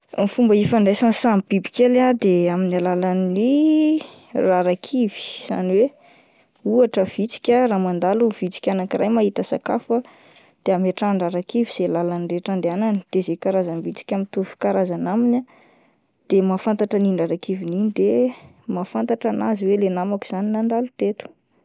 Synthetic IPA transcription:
mifumbəifaɳɖ͡ʐesansambibikʲelad̪eaminalalani | raɾakʰivi̥z̥a̰niwe | uaʈ͡ʂəv̥it͡si̥kʲəraːmand̪aluv̥it͡si̥kʲanakirajmaɦit̪əsakafa | d̪̥eameʈ͡ʂanraɾakiviz̥elalanireʈ͡ʂand̪eanani̥d̪̥ezekaɾazambit͡si̥kʲamit̪ufu̥kaɾazanaminʲə | d̪̥emafant̪aʈ͡ʂaninraɾakivininid̪e | mafant̪aʈ͡ʂanaziwelenamaku̥z̥aninand̪alut̪et̪u̥

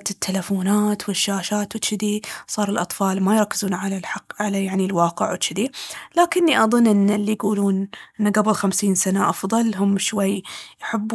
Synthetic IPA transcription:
t̪ɪt̪ʰːalafuːnaːt̪wɪʃːaːʃaːt̪wɪt͡ʃːɪd̪isˤɑːɾˤɪlʔɑt̪ˤfɑːlmajɾˤɑkːɪzuːnʕalalħɑqːʕalajaʕnilwɑːqɪʕwɪt͡ʃːɪd̪ilaːkɪnːiʔɑðˤʊnːʔɪnːalːijɡuːluːnʔɪnːaɡabɪlxamsiːnsanaʔɑfðˤɑlɦʊmːʃwajːjħɪbː

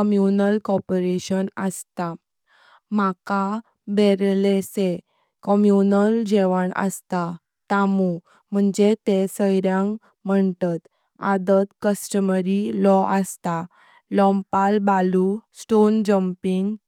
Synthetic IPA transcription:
əmjunəlkɔpɾeɕənəst̪a | maka | beɾlese | kəmjunəld͡ʑeʋəɳə̰st̪a | t̪amu | m̤əɳd͡ʑet̪esəjɾjãŋ | m̤əɳt̪at̪ | ad̪ət̪kəsʈəməɾilɔʔəst̪a | lɔ̃mpalbalusʈond͡ʑəmpiŋɡ

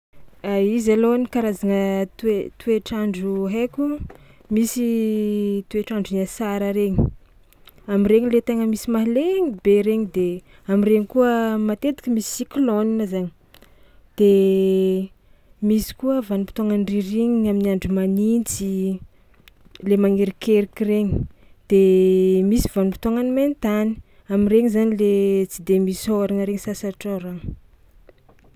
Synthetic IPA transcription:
aizalonikaɾazaŋət̪et̪ueʈ͡ʂaɳɖ͡ʐuɦekʲu | misi | t̪ueʈ͡ʂaɳɖ͡ʐunasaɾəɾeɲi̥ | amireŋilet̪eŋəmisimaɦileɲib̥eɾeɲid̪e | amireɲikuəmat̪et̪i̥kʲəmisi̥sikloninəzaɲi̥ | d̪̥e | misi̥kuəvanumpi̥t̪aŋanriɾiɲiaminiaɳɖ͡ʐimanint͡si | lemaŋeɾikeɾikʲireɲi̥d̪̥emisivanupit̪oŋaniment̪ani̥ | amireŋizanilet͡si̥d̪emisoɾaŋəɾeŋisasaʈ͡ʂaɾaŋ

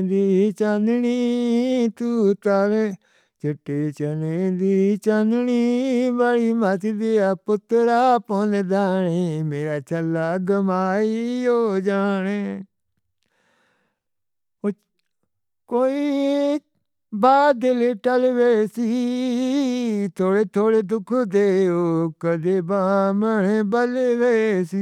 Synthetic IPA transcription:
d̪iːt͡ʃãnd̪niːt̪uːt̪al | t͡ʃɪʈːeːt͡ʃəneːd̪iːt͡ʃand̪niːbaɽiːmət̪d̪eapʊt̪ːɾaːpɔned̪aːneːmeːɾaːt͡ʃəlːaːɡəmaːijoːd͡ʒaːne | o | koːiː | baːd̪ɪleʈəlʋeːsi | t̪ʰoːɽeːt̪ʰoːɽeːd̪ʊkʰd̪eːoːkəd̪eːbaːməɳeːbəleʋesi

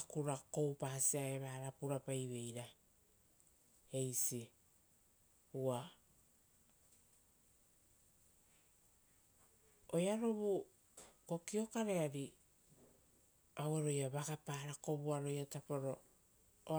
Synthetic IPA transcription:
akuɾako̞wpasiaeβaːɾapuɾapajβe̞jɾa | e̞jsi | ua | ojaɾo̞βu | ko̞kio̞kaɾe̞aɾi | aweɾo̞jaβakapaːɾako̞βuaɾo̞jatapoɾo̞

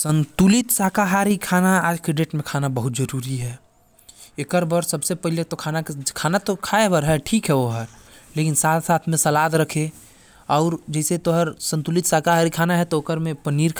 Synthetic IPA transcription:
sə̃nt̪ulit̪sakaɦaɾikʰaːnaaːd͡ʒkɾeɖeːʈmẽkʰaːnabəɦut̪d͡ʒəɾuːɾiɦɛː | ekəɾbəɾsəbsepəɦilet̪okʰaːnakʰaːnat̪okʰaːebəɾɦɛʈʰiːkɦɛoɦəɾlekinsaːt̪ʰsaːt̪ʰmẽsəlaːd̪ɾəkʰe | ɔʊɾd͡ʒɛːset̪oɦəɾsə̃nt̪ulit̪sakaɦaɾikʰaːnaɦɛt̪ookəɾmẽpəniɾkʰ

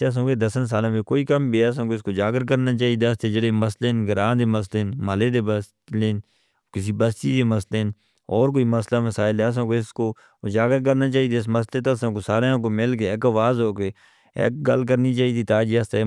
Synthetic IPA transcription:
s̬õːked̪əsəns̬aːlãːmẽkoːiːkəmbʱiːɛːs̬ãːkoɪskoːd͡ʒaːɡəɾkəɾnaːt͡ʃaːɦid̪eəst̪ed͡ʒəɽeːməslenɡəɾãːd̪eːməs̬leːnməleːd̪eːbəs | leːn | kɪs̬iːbəst̪iːd̪eːməsleːn | ɔːɾk̬oːiːməslaːməsaːɪlɦɛːəs̬ãːkoːɪskoː | d͡ʒaːɡəɾkəɾnaːt͡ʃaːid̪eːɪsməs̬leːt̪osãːkosaːɾeãːkoːmɪlk̬eːɪkaʋaːzɦoːkeː | ḛːk̚ɡəlk̬əɾniːt͡ʃaːid̪iːt̪aːd͡ʒiːəst̪e

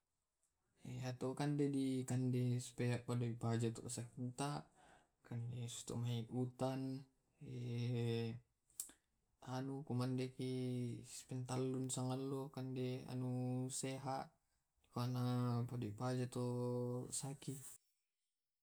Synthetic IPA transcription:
eat̪okandedikandɛsu̥peaʔpadoipad͡ʒat̪ɔ̰ʔsakint̪aʔ | kandesu̥st̪ɔ̰ʔmaiʔut̪an | e | anukumandekispɛnt̪alːunsaŋalːokandea̰nuseɦaʔ | dikanapadoipad͡ʒat̪ɔsaki

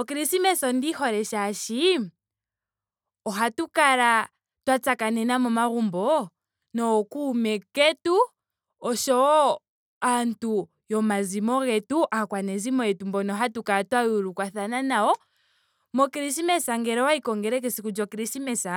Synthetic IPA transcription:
ɔkiɾisimɛsɔndihɔɾɛʃaʃi | ɔɦatukaɾa | twat͡sakanɛnamɔmaɣumbɔ | nɔkuːmɛkɛtu | ɔʃɔ | antu | jɔmazimɔɣɛtuʔakwanɛzimɔjɛtumbɔnɔɦatukaɾatwauɾukwaθananaɔ | mɔkiɾisimɛsaŋɡɛɾɔwaikɔŋɡɛɾɛk̬ɛsikud͡ʒɔkiɾisimɛsa

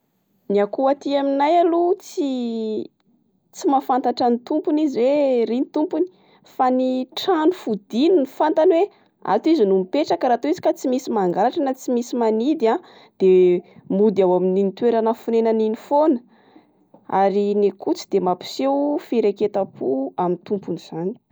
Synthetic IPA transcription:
niakuat̪iaminajalut͡si | t͡simafant̪aʈ͡ʂanit̪umpuniziwerinit̪umpuni̥ | faniʈ͡ʂanufud̪ininifant̪anwe | a̰t̪izinumipeʈ͡ʂakaɾat̪uizi̥kat͡simisimaŋɡaɾaʈ͡ʂənat͡simisimanid̪ia | d̪̥emud̪iawamininit̪weɾanəfunenaninifonə̥ | aɾinekut͡si̥d̪̥emapi̥sewfiɾeket̪apʰuamint̪umpuniz̥ani̥

